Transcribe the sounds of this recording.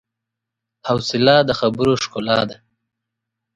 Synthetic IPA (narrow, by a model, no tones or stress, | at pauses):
hawsɪlɑd̪əxabəɾoʃkolɑd̪a